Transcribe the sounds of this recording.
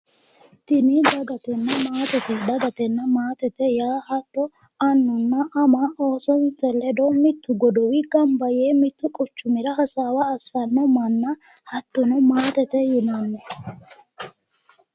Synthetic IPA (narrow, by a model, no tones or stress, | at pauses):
t̪ɪnid̪ɐɡɐt̪ɛnːɐmaːt̪ɛt̪ɪd̪ɐɡɐt̪ɛnːɐmaːt̪ɛt̪ɛjaːhɐt̪ːɔ | ɐnːʊnːɐʔɐmao̞ːsɔntɛlɛd̪ɔmɪt̪ːʊɡɔd̪ɔwɪɡɐmbɐjeːmɪt̪ːʊkʼʊt͡ʃːʊmɪɾɐɦɐsaːwɐːsːɐnːɔmɐnːɐ | hɐt̪ːɔnɔmaːt̪ɛt̪ɛjɪnɐnːɔ